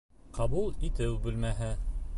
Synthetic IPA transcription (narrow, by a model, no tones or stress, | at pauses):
qɑβulˠit̪ɘwbʉ̆lmæɦɘ